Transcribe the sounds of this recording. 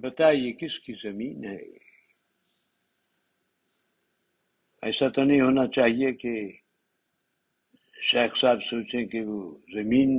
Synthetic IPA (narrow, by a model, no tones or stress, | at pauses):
bɐt̪aːiekɪskizɐmiːnɦɛ̰ː | ɛ̰ːsat̪onɐɦĩɦoːnat͡ʃaːɦieke | ʃeːxsaːbsoːt͡ʃẽkeʋozɐmiːn